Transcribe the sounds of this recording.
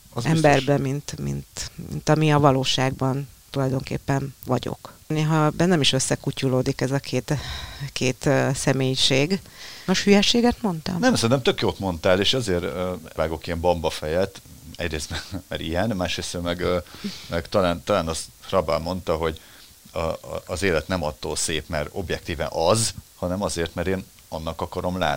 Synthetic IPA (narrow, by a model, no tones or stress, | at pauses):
zɛmbɛrbɛmint̪mḭnt̪mḭnt̪ɒmiɒvɒloːʃaːɡ̚bɒnt̪ulɒjd̪o̞ŋkḛːpːɛnʋɒɟo̰kneːɦɒbɛnːɛmiʃø̞sːɛkuculoːd̪ikɛzɒkʰeːt̪kʰeːt̪ːsɛmeːjʃeːɡoʃhyjɛʃeːɡɛt̪mo̞nt̪ɒ̰mnɛmsɛɾint̪ɛmt̪økjoːt̪mo̞nt̪aːleːʃɒzeːɾøaːɡo̞kiɛmbɒmbɒfɛjɛt̪ɛ̰ɟreːst̪mɛmɛɾijɛnmaːʃɾeːsøːmɛɡmɛɡt̪ɒlaːnt̪ɒlaːnɒsrɒbɛlmo̞nt̪ɒɦo̞ɟ | zeːlɛt̪nɛmɒt̪ːo̰ːlseːpmɛɾo̞̰bjɛk̚t̪iːvɛ̰nʔɒzhɒnɛmɒzeːrt̪mɛɾeːn | ɒnːɒkɒkɒɾo̞mla̰ːt̪ni